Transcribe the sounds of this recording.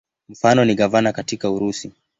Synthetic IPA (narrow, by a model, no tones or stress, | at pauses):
m̩fanɔniɠavanakatikauɾusi